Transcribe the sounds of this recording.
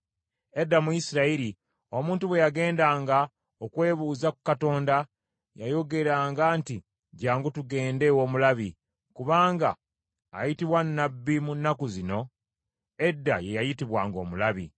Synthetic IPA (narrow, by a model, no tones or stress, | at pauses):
e̞dːamujisiɾaiɾi | o̞mũːntuβwe̞jaɡe̞ːndaːŋɡa | okwe̞ːβuːzakukato̞ːnda | jajo̞ɡe̞ɾaːŋɡaːnti | ɟaːŋɡutuɡe̞ːnde̞wo̞ːmulaβi | kuβaːŋɡa̰ː | jitiβwanːabːimunːakuzino̞ | e̞dːaje̞jajitiβwaːŋɡo̞̰ːmulaβḭ